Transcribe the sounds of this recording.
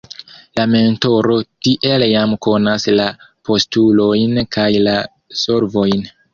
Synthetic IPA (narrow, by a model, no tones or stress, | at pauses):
lame̞nto̞ɾo̞tiʔe̞ljamko̞naslapʰo̞stulo̞jnkʰajla | soɾvo̞jn